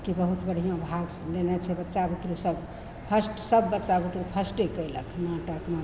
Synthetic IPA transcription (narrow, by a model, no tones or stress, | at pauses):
kibəɦut̪bəɽ̤ʱijãbʱaɡ | lenɛt͡ʃʰɛbətːʃabit̪ɾusəb | pʰəsʈsəbːətːt͡ʃabit̪ɾupʰəsʈekəjlə̰kʰnaʈəkmẽ